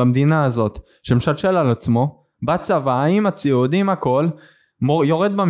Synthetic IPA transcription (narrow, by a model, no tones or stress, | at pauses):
amd̪inaːzo̞t̪ | ʃemʃalʃelalat͡smo̞ | bat͡savaaimat͡siud̪imhako̞l | joʁed̪̚bam